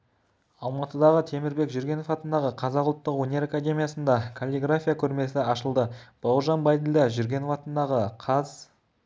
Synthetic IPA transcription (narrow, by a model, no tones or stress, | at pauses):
ɑlˠmɑt̪əd̪ɑʁət̪ʰe̞mɪɾbe̞kʒʏɾɡʲe̞no̞fɑt̪ənd̪ɑʁəqʰɑzɑqʊlˠt̪ːəqwonʲe̞ɾakad̪ʲe̞mʲijasənd̪ɑkʰolʲiɡrafʲijakʲʰɵɾme̞sɪɑʃəlˠd̪əb̥ɑwʒɑnbɑjd̪əld̪ɑʒʏɾɡʲe̞nofɑt̪ənd̪ɑʁəqʰɑz